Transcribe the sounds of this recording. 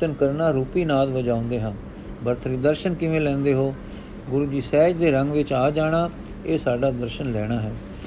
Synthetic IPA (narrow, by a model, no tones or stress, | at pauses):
t̪ənkəɾnaːɾuːpiːnaːd̪ʋəd͡ʒãːʊ̃nd̪eːɦãn | bəɾt̪ʰɾiːd̪əɾʃənkɪʋẽːlɛ̃ːnd̪eːɦoː | ɡʊɾuːd͡ʒiːsɛːd͡ʒd̪eːɾəŋɡʋɪt͡ʃaːd͡ʒaːɽ̃aː | eːsaːɖaːd̪əɾʃənlɛːɽ̃aːɦɛː